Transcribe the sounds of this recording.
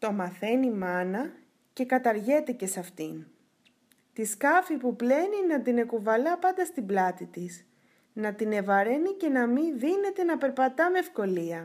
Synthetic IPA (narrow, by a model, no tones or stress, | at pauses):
t̪o̞mɐθe̞nimɐnɐ | ce̞kɐt̪ɐɾʝe̞t̪e̞ce̞sɐft̪in | t̪iskɐfipuple̞ninɐt̪ine̞kuvɐlɐpɐnd̪ɐst̪iblɐt̪it̪is | nɐt̪ine̞vɐɾe̞nice̞nɐminðine̞t̪e̞nɐpe̞ɾpɐt̪ɐmeːfko̞liɐ